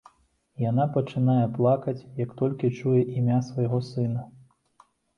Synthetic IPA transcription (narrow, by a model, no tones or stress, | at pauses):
janapɐt͡ʂɨnajɛplˠakɐt͡sʲjɐkt̪ɔlʲkʲit͡ʂujɛʔimʲasvɐjɣɔsɨn̪ɐ